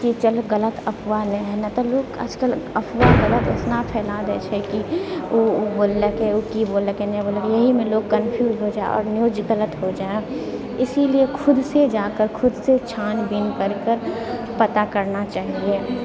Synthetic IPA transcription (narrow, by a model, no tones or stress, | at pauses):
kit͡ʃəlɡələt̪ɐpʰʋanɛɦɛnat̪ɔloːɡə̰d͡ʒkələpʰʋaɡələt̪ʊsnapʰɛːlaːd̪ɛ̰t͡ʃʰɛkioboːlːəkeokiboːləkenɛ̃boːləkejəɦimẽloːɡ̚kːənpʰjuːzɦod͡ʒaːḛɔ̰ːɾnjoːd͡ʒɡələt̪ɦod͡ʒaːe | ɪsiliekʰʊd̪sed͡ʒaːkəɾkʰʊd̪set͡ʃʰaːnbɪnkəɾkəɾ | pɐt̪akəɾnat͡ʃaːɦie